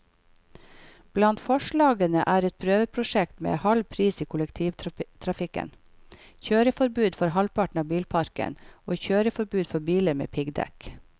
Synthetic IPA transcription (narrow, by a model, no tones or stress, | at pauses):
b̥lɑnt̪fɔʃɭɑːɡənəʔæːɾɛt̪̚pʰɾøːʋəpʰɾʊʃɛkt̪mḛːhɑlpʰɾiːsiːkʰʊləkt̪ʰiːʋt̪ʰɾɑfɪkə̰n | çøːɾəfɔɾbʉːd̪fɔɾhɑlpɑʈɳ̩ɑːbiːlpʰɑɾkə̰noːçøːɾəfɔɾbʉːd̪fɔɾbiːləmḛːpʰɪɡd̪ɛ̰k